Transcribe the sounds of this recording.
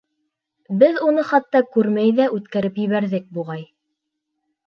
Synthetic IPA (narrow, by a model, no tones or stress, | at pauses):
bɘðunɤχɑt̪ːɑkʉɾmæjðæʔʉt̪kæɾɘpjɘ̆βæɾðɘk̚buʁɑj